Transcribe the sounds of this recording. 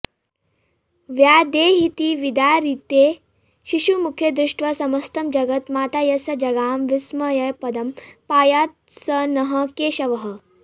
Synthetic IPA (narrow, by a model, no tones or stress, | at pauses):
ʋjaːd̪eːɦit̪iʋid̪aːɾit̪eː | ʃiʃumukʰjɐd̪ɾɪʂʈʰʋɐsɐmɐst̪ɐmd͡ʒɐɡɐt̪maːt̪aːjɐsɐd͡ʒɐɡaːmʋismɐjɐjpɐd̪ɐmpaːjaːt̪sɐnɐɦɐkeːʃɐʋɐɦɐ̆